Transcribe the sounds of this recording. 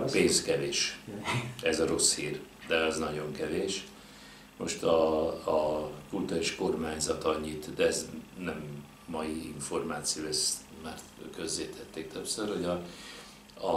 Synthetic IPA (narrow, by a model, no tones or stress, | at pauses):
peːnskɛveːʃ | ɛzɒɾo̞shiːr | d̪ɛɒznɒɟo̞ŋkɛveːʃ | mo̞̰ʃt̪ɒː | kult̪uɾaiːʃko̞rmaːɲzɒt̪ɒɲːit̪d̪ɛɛznɛmː | ɒjiiɱfo̞rmaːt̪sijoːɛst̪ | maːrt̪køzːeːt̪ʰɛt̪ːeːk̚t̪øpsørho̞ɟɒ | ɒ